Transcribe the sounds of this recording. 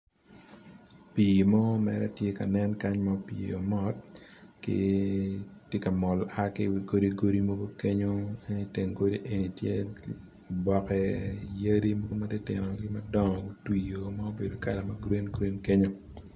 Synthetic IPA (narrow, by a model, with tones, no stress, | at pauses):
piː˨mɔ˦mɛ̰˨ɾɛ˦tje˦ka˨nɛ˦nka˦ɲma˨pḭ˨o˨mɔ˦t̚kɪ̰˦ | tje˦ka˨mɔ˨la˦kɪ˦wi˨ɡo˦di˦ɡo˦ɾi˦mo˦ɡo˦ke˦ɲo˦e˦ni˦te˨ŋɡo˦di˦ʔe˨ni˨tje˦ | bɔ˨kɛ˨jɐ˦ɾi˦mo˦ɡo˦ma˦de˦tɪ˨nɔ˨ɡɪ˦mɐ˦dɔ˦ŋɔ˨ɡu˦twi˨jo˨ma˦o˦be˨do˨ka̰˨lɛ˨mɐ˦ɡɾi˦nɡɾi˦nke˦ɲo˦